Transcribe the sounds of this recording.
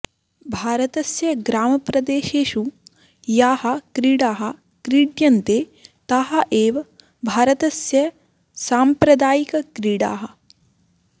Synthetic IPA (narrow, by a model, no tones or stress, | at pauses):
bʱaːɾɐt̪ɐsjɐɡɾaːmɐpɾɐd̪eːʃeːʃu | jaːhɐ̆kɾiːɽaːɦɐ̆ | kɾiːɖjɐnt̪eː | t̪ɐɦɐʔeːʋɐ | bʱaːɾɐt̪ɐsjɐ | saːmpɾɐd̪aːjikɐkɾiːɽa̰ːɦɐ̆